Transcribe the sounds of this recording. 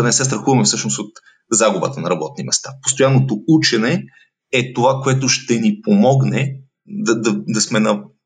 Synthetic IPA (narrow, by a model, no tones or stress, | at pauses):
nɛsɛst̪ɾɐxuvɐmɛfsɤʃnosot̪ | zaɡʊbə̰t̪ənɐɾɐbɔt̪̚nimɛst̪apo̥st̪ojanːot̪out͡ʃɛnɛ | ɛt̪ovakoɛt̪ʊʃt̪ɛnipomɔɡnɛ | d̪ɐd̪ɐd̪ɐsmɛnɐ